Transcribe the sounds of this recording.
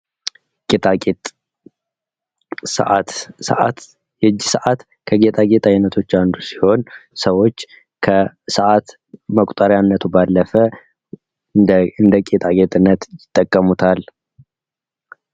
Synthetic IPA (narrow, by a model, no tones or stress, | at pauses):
kʼet̪ʼakʼet̪ʼ | sə̰ʔat̪sə̰ʔa̰t̪ | jɛd͡ʒːɪsəʔat̪ | kʰəɡe̞t̪ʼaɡe̞t̪ʼajnət̪ʰo̞t͡ʃːand̪usiho̞nsəwo̞t͡ʃː | kʰəsəʔat̪ | məkʷʼt̪ʼəɾjanːət̪ʰubalːəfə | ɨnd̪əkʼet̪ʼaɡet̪ʼɨnːət̪jɪt̪ʼːəkʼːəmut̪ʰal